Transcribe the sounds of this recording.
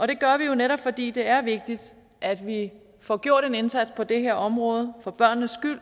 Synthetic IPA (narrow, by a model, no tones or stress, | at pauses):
ʔɒ̽ɾ̥e̝ɡ̥ɶɐʋijo̝neɾɒ̽b̥fɒ̽d̥ḭːd̥e̝æɐʋe̝ɡ̥̚d̥id̥ | ʔæd̥ʋi | fɒːɡ̥jo̝ɐ̰ɾ̥e̝ne̝nsæd̥spʰɒ̽d̥e̝ɦeɐ̰ɒ̽mʁɔːð̞ˠəfɒb̥ɶɐ̰nːəsɡ̥yl̰